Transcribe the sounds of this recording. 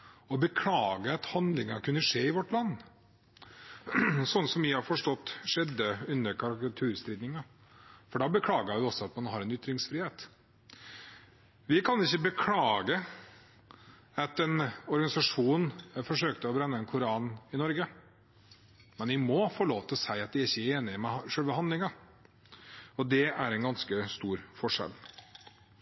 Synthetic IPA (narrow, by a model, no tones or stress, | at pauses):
ɔbəkʰlɑːɡəɑt̪hɑnd̪lɪŋɑkʉnːəʂeːɪʋɔʈːlɑnː | sɔnːəsɔmʋɪhɑɾfɔʂʈɔt̪ːʂɛd̪ːəʉnːəɾkʰɑɾɪkɑt̪ʰʉːɾst̪ɾiːd̪nɪŋɑ | fɔɖɑːbəkʰlɑːɡəʋɪɔsɔɑt̪mɑnɦɑɾɛnʏt̪ːɾɪŋsfɾiːheːt̪ | ʋɪkʰɑnɪçːəbəkʰlɑːɡə | ɑt̪ɛnɔɾɡɑɪsɑʂuːnfɔʂøːkt̪əɔbɾɛnːəɛnkʰʊɾɑːnɪnɔɾɡə | mɛnʋɪmɔfoːloːʋt̪ʰɪlɔsæɪɑt̪ʋɪæɾɪçːəæɾeːnɪəmɛʂœlʋəhɑnd̪lɪŋɑ | ɔd̪ɛʔæɾɛnɡɑnskəst̪uːɾfɔʂɛ̰l